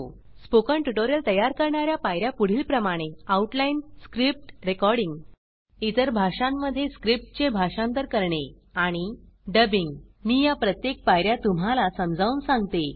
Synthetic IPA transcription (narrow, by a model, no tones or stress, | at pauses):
spokəɳʈuʈoɾjəlt̪əjaɾkəɾɳaɾjapajɾjapuɽ̤iːlpɾəmaɽ̃eauʈlainskɾip̚ʈɾekɔɾɽiŋɡ | it̪əɾbʱaʂamːəd̪ʱːjeskɾip̚ʈ̚t͡ɕebʱaʂãnt̪̬əɾkəɾɳe | aɽ̃iɖəbiŋɡmijapɾət̪jek̚pajɾjat̪um̤alasəmd͡zʱauːnsãŋɡt̪e